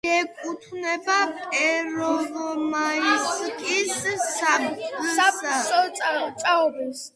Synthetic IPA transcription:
ɛkʼut̪ʰnɛbapʼɛɾɔvɔmaiskʼissamkʼasaɔat͡sʼaɔɾɛs

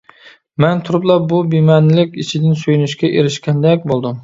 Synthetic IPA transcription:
mɛnt̪ʰʊɾʊblˠɑbʊbimænlɪkʲit͡ʃʰɪd̪ɪnsøjynyʃkʲɛʔeɾɪʃkʲɛnd̪ɛk̚ʲbolˠd̪ʊm

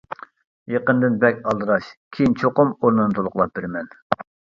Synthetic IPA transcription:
jeqənd̪ɨnbɛkʲɑlˠd̪ɨɾɑʃkʲʰijint͡ʃʰoqʊmoɾnɨnɨt̪ʰolˠʊqlˠɑp̚bɪɾmɛn

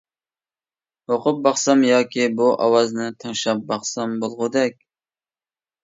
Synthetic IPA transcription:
oqʊp̚bɑχsɑmjɑːkʲibuʔɑ̰wɑznɨt̪ʰɨŋʃɑp̚bɑχsɑmbolˠʁʊd̪ɛkʲ

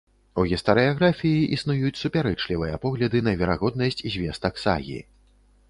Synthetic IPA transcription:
uɣʲist̪ɐɾɨjaɣɾafʲijiʔisnujut͡sʲsupʲaɾɛt͡ʂlʲivɨjɐpɔɣlʲɐd̪ɨnɐvʲɛɾaɣɔd̪̚nɐsʲt͡sʲzʲvʲɛst̪ɐksa̰ɣʲḭ

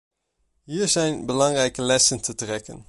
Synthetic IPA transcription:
ɦiːɹzɛjnbəlɑŋrɛjkəlɛsəntətrɛkə̰n

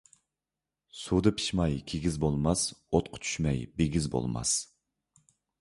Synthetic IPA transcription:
sud̪ɨpʰi̥ʃmɑjkʲʰeɡʲizbolˠmɑsot̪̚qʰʊ̥t͡ʃʰy̥ʃmɛjbeɡʲizbo̰lˠmɑ̰s

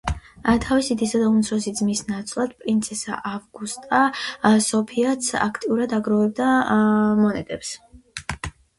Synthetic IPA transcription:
t̪ʰavisid̪isad̪aumt̪sʰɾɔsid̪zmisnat̪sʼlˠad̪̥̚pʼɾint̪sʰɛsa̰ʔavɡust̪ʼasɔpʰiat̪sʰa̰kʰt̪ʼiuɾad̪aɡɾɔvɛb̚d̪a | mɔnɛt̪ʼɛps

